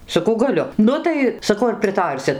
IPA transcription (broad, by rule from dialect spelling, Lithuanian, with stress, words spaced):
sɐˈkɐʊ ɡɐˈlʲʊ ˈnʊ tɐɪ sɐˈkɐʊ ɐr pʲrʲɪˈtɐrʲsʲɪt